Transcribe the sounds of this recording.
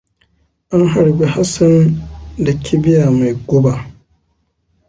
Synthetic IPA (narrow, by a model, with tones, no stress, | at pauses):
ʔa˦ŋɦa˨ɽbi˦ha˦sɐ˦nda˨kʰʲɪ˦bɪ˦ja˨ma˨jɡʷʊ˦ba˨